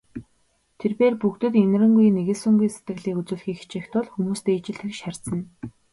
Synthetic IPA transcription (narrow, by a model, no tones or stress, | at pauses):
t̪ʰerpeːrpukt̪ɘ̆t̪en̆rɘ̆ŋɡujneɣɘ̆ɮsʊŋɡujse̥t̪ɡɘ̆ɣɮiːkut͡sŭːɮxiːxt͡ɕeːxt̪ʊɮxumuːst̪eːit͡ɕɪ̆ɮt̪ɘ̆kʃar̥ʲt͡sə̆n